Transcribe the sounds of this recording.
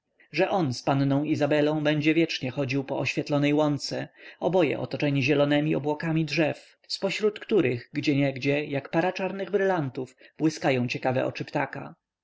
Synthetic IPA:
ʐɛʔɔnspannɔ̃w̃izabɛlɔ̃w̃bɛɲd͡ʑɛvʲjɛt͡ʂɲɛxɔd͡ʑiwpɔɔɕfʲjɛt̪lɔnɛjwɔnt̪sɛɔbɔjɛ̰ʔɔ̰t̪ɔt͡ʂɛɲiʑɛlɔnɛmʲiɔbwɔkamʲidʐɛf | spɔɕɾut̪kt̪uɾɘɣɡd͡ʑɛɲɛɡd͡ʑɛjakpaɾat͡ʂaɾnɘɣbɾɘlant̪ufb̥wɘskajɔ̃w̃t͡ɕɛkavɛ̰ʔɔ̰t͡ʂɘpt̪aka̰

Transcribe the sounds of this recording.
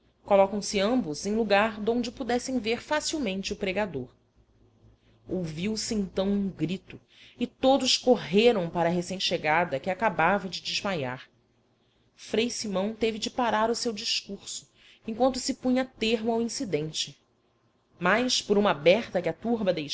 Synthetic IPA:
kolɔkɐ̃w̃sɪɐ̃mbʊzẽj̃luɡaɾd̪õw̃d͡ʒɪpud̪ɛsẽj̃veɾfasiwmẽnt͡ʃɪʊpɾeɡad̪oɾ | owviwsɪẽt̪ɐ̃w̃ũŋɡɾit̪ʊ | ɪt̪od̪ʊʃkoɦeɾɐ̃w̃paɾɐːɦesẽj̃t͡ʃɪʃeɡad̪ɐkɪakabavɐd͡ʒɪd͡ʒɪʒmaja̰ɾ | fɾejsimɐ̃w̃t̪evɪd͡ʒɪpaɾaɾʊsewd͡ʒiʃkuɾsʊ̥ | ẽkwɐ̃nt̪ʊsɪpũɲɐt̪eɦmʊawĩsid̪ẽnt͡ʃɪ | majʃpʊɾũmɐabɛɾt̪ɐkɪat̪uɾbɐd̪ej

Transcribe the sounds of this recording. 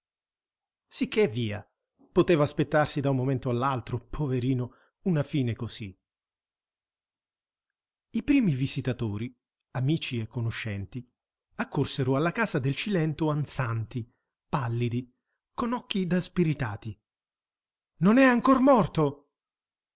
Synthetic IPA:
sikʰːeviːa̰ | pot̪eːvaːspet̪ːarsid̪aunmːoment̪oalːalt̪ɾopʰoveɾiːno | unafiːnekosi | ipɾiːmivizit̪at̪oːɾi | amiːt͡ʃiekːonoʃːɛnt̪i | akːorseɾoalːakaːzad̪elt͡ʃilɛnt̪oant̪sant̪i | palːid̪i | konɔkːid̪aspiɾit̪aːt̪i | nonɛaŋkormɔrt̪o

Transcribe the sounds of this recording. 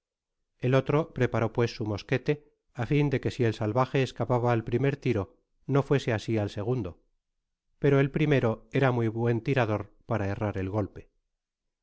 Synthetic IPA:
e̞lo̞t̪ɾo̞pɾe̞paɾopwe̞sːumo̞ske̞t̪e̞ | afind̪e̞ke̞sie̞lsalβaxe̞ːskapaβaːlpɾime̞ɾt̪iɾo | no̞fwe̞se̞asialse̞ɣ̞und̪o | pe̞ɾo̞e̞lpɾime̞ɾo̞e̞ɾamuiβwe̞nt̪iɾaðo̞ɾ | paɾae̞raɾe̞lɣo̞lpe̞

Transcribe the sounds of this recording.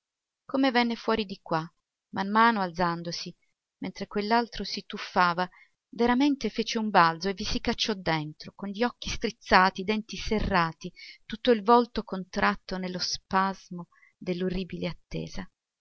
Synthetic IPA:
komevɛnːefwɔːɾid̪ikwa | mamːaːnoald̪zand̪osi | ment̪ɾekwelːalt̪ɾosit̪ufːaːva | veɾament̪efeːt͡ʃeumbald̪zoevisikat͡ʃːɔd̪ːent̪ɾokonʎiɔkːist̪ɾit̪sːaːt̪id̪ɛnt̪iserːaːt̪it̪ut̪ːoilvɔlt̪okont̪ɾʔat̪ːonelːospazmo | d̪elːoriːbileat̪ːḛːza

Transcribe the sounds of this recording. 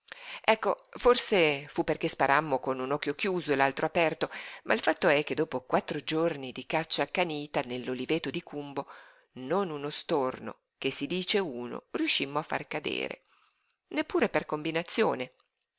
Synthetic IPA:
ɛkːoforsefupːerk̟espaɾʔamːokonunɔk̟ːjok̟juːzoelalt̪ɾoapɛrt̪omʔailfat̪ːoɛk̟ːed̪ːoːpokwat̪ːɾod͡ʒornid̪ikat͡ʃːakːaniːt̪anelːolivet̪od̪ikumbo | nonunost̪orno̰ | kesːid̪iːt͡ʃeuːno̰riuʃːimːoafːa̰rkad̪ḛːɾḛ | nepːuːɾeperkombinat̪sːjoːne

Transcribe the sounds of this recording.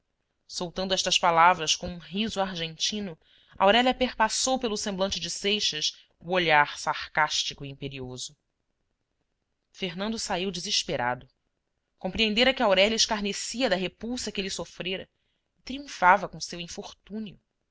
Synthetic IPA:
sowt̪ɐ̃nd̪ɛʃt̪ɐspalavɾɐskõũɦizuaɾʒẽnt͡ʃĩnʊ | ɐ̰awɾɛlʲɐpeχpasowpelʊsẽmblɐ̃nt͡ʃɪd͡ʒɪsejʃɐs | uoʎaɾsaχkaʃt͡ʃikʊiĩpeɾiozʊ | feɦnɐ̃nd̪ʊsaiwd͡ʒɪziʃpeɾa̰d̪ʊ | kõpɾiẽnd̪eɾɐkɪawɾɛljɐɪʃkaɾnesiɐd̪ɐɦepuwsɐkɪelisofɾeɾɐ | ɪt̪ɾiũfavɐkõsewĩfoɾt̪ũniʊ̰

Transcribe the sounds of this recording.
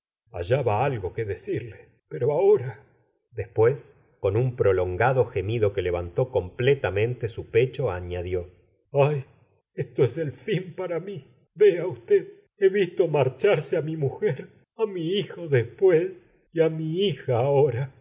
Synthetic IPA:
a̰ʒaβaalɣo̞keðesiɾle | peɾo̞ao̞ɾa | d̪e̞spwe̞s | ko̞numpɾo̞lo̞ŋɡaðo̞xemiðo̞ke̞le̞βant̪o̞ko̞mplet̪amẽ̞nt̪esupe̞t͡ʃoa̰ɲaðjo̞ | aj | est̪oeselfimpaɾami | beaust̪eð | eβist̪o̞maɾt͡ʃaɾseamimuxeɾ | amiixoðespwes | iamiixaːoɾa

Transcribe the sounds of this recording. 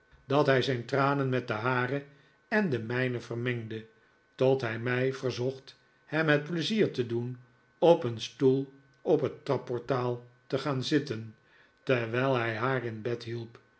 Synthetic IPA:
dɑtɦɛjzɛjntraːnənmɛt̚dəɦaːrə | ɛndəmɛjnəvərmɛŋdə | tɔtɦɛjmɛjvərzɔχt | hɛmɦət̚pləziːɹtədun | ɔpənstulˠ | ɔpɦətːrɑpːɔɹtaːlˠtəχaːnzɪtən | təʋɛjlˠɦɛjɦaːrɪnbɛtɦilˠp

